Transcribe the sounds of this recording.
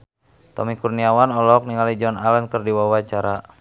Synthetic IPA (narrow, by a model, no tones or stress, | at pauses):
t̪ɔmikurniawanɔlɔk̚niŋalid͡ʒɔnalɛnkərdiwawat͡ʃaɾa